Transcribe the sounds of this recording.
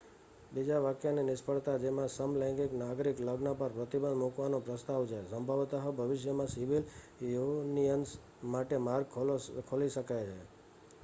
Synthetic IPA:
bid͡ʒaʋakjaninɪspəɭt̪ad͡ʒemãsəmlɛ̃ŋɡiknaɡɾikləɡnapəɾpɾət̪ibənd̪mukʋanõpɾəst̪aʋt͡ʃʰesəmbʱaʋt̪aɦobʱəʋɪʃjəmãsɪʋil | joniəns | maʈemaɾɡkʰoliʃəkajt͡ʃʰe

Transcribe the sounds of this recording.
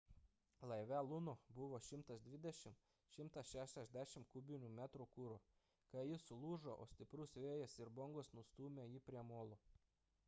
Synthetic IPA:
lˠɐɪʋʲælˠʊnobʊʋoːʃʲɪmt̪ɐsd̪ʲʋʲɪd̪ʲɛʃʲɪm | ʃʲɪmt̪ɐsʃʲæʃʲɛʒʲd̪ʲæːʃʲɪmkʊbʲɪnʲuːmʲæt̪ɾukuɾo | kɐjɪsʊlˠuːʒoʔo̰ːsʲt̪ʲɪpɾʊsʋʲeːjɛsɪɾbɔŋɡosnʊst̪uːmʲɛjɪpʲɾʲiɛmoːlˠo

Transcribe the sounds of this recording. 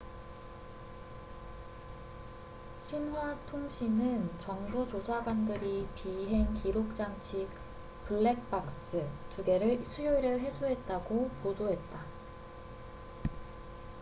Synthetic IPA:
ɕʰinɦwatʰoŋɕʰinɯnt͡ɕʌŋbot͡ɕosʰaɡwandɯɾipiɦe̞ŋkiɾok̚t͡ɕ͈aŋt͡ɕʰi | pɯɭːe̞k̚p͈ak̚s͈ɯtuɡe̞ɾɯɭsʰujoiɾɯɭɦe̞sʰuɦe̞t̚t͈aɡopodoɦe̞t̚t͈a

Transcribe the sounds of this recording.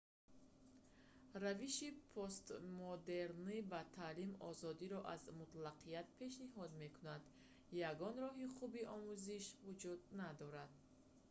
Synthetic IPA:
ɾaviʃipʰost̪mod̪e̞ɾnibat̪ʰalimɔ̰zɔd̪iɾɔʔazmut̪laqʰiat̪̚pʰe̞ʃniɦɔd̪me̞kʰunad̪ | jaɡɔnɾɔɦiχubiʔɔmuziʃvud͡ʒud̪nad̪ɔɾad̪̚

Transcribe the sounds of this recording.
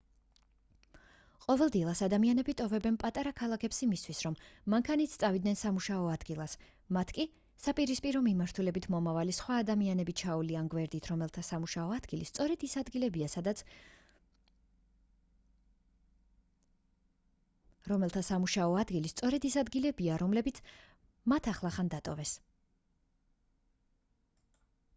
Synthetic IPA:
qʼɔvɛlˠd̪ilˠasad̪amianɛbit̪ʼɔvɛbɛnpʼat̪ʼaɾakʰalˠakʰɛpsimist̪ʰwisɾɔmːaŋkʰanit̪sʰt̪ʼavid̪̚nɛnsamuʃaɔad̪ɡilˠas | mat̪ʰkʼi | sapʼiɾispʼiɾɔmimaɾt̪ʰulɛbit̪ʰmɔmavalisχwaːd̪amianɛbit͡ʃʰaulianɡwɛɾd̪it̪ʰɾɔmɛlt̪ʰasamuʃaɔad̪̥ɡilist̪sʼɔɾɛd̪isad̪ɡilɛbiasad̪a | ɾɔmɛlˠt̪ʰasamuʃaɔad̪ɡilist̪sʼɔɾɛd̪isad̪ɡilɛbiaɾɔmlɛbit̪sʰ | mat̪ʰaχlˠaχand̪at̪ʼɔ̰vɛs

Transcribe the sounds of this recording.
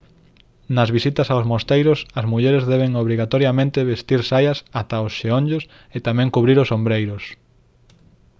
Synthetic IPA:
nɐzβisit̪ɐsaowsmost̪ejɾʊsɐzmuʎɛɾezðɛβ̞eŋoβɾiɣat̪oɾjamẽnt̪eβest̪iɾsajɐsat̪aosʃeõɲd͡ʒos | et̪amɛ̃ŋkuβɾiɾʊsombɾejɾʊs

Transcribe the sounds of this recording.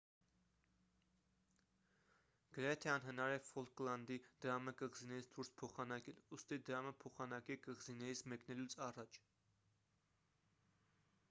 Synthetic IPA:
ɡ̥əɾɛt̪ʰɛɑnɦənɑɾɛfɔlklɑnd̪id̪̥əɾɑməkəʁzinɛɾit͡sʰd̪uɾspʰɔχɑnɑkɛlust̪id̪əɾɑməpʰɔχɑnɑkɛkəʁzinɛɾit͡sʰmɛknɛlut͡sʰɑrɑt͡ʃʰ

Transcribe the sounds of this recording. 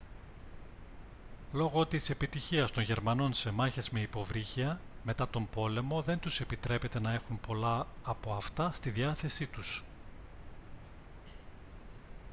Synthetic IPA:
lo̞ɣo̞t̪ise̞pit̪içiɐst̪o̞nʝe̞ɾmɐno̞nse̞mɐçe̞zme̞ipo̞vɾiçiɐme̞t̪ɐt̪o̞mbo̞le̞mo̞ðe̞nt̪use̞pit̪ɾe̞pe̞t̪e̞nɐe̞xumpo̞lɐːpo̞ɐft̪ɐst̪iðiɐθe̞sit̪us

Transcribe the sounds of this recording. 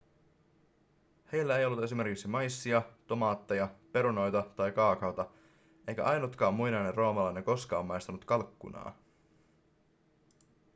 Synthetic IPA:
he̞jlːæe̞jolːut̪e̞sime̞rkiksimɑjsːiɑt̪o̞mɑːt̪ːejɑpe̞ɾuno̞jt̪ɑt̪ɑjkɑːkɑwt̪ɑ | ʔejkæ̰ʔɑjnot̪kɑːmːujnɑjnerro̞ːmɑlɑjneko̞skɑːmːmɑjst̪ɑnut̪kɑlkːṵnɑ̰ː

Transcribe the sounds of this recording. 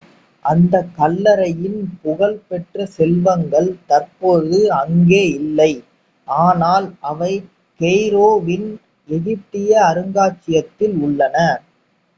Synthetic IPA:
ʔɐnd̪ɐkːɐlːɐɾɐjɪnpʊɣɐɭpɛʈrɐsɛlʋɐŋɡɐɭt̪ɐrpoːɾðɯɐŋɡeːɪlːɐɪ | ʔaːnaːlʔɐʋɐɪ | kɛjɾoːʋɪn | ɛðɪʈːɪjɐːɾɯŋɡaːt͡ʃːɪjɐt̪ːɪlʊɭːɐnɐ

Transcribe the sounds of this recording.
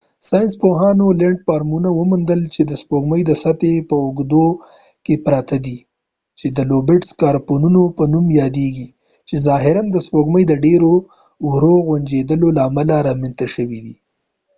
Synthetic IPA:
sɑjɪnspoɦɑnoleɳʈ̚pɑɾmunawəmund̪əlt͡ʃed̪əspoɡməjd̪əsat̪epəʊɡd̪o | kepɾɑt̪ʰad̪i | t͡ʃed̪əlobɪʈskɑɾponunopənumjɑd̪eɡi | t͡ʃezɑɦɪɾand̪əspoɡməjd̪əɖeɾo | wɾoɣwand͡ʒed̪əlolaːmalaɾɑment̪aʃəwid̪i

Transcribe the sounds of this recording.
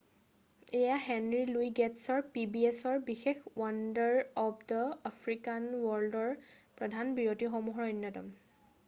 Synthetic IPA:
ejaɦɛnɹiluiɡɛtsɔɹpibiesɔɹbixexwandəɹɔpʰdəapʰɹikanwɔɹldɔɹpɹɔdʱanbiɹotixɔmuɦɹɔnjɔtɔ̰m

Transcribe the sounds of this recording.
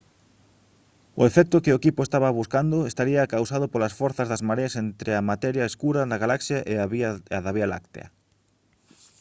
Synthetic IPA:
ʊ̰efɛk̚t̪ʊkɪʊekipʊest̪aβɐβuskand̪ʊest̪aɾiɐkawsaðʊpolasfɔɾθɐzðɐzmaɾeasent̪ɾɪamat̪ɛɾjaeskuɾaðaɣalaksjaʔeaβaðaβiala̰kt̪ḛɐ̰

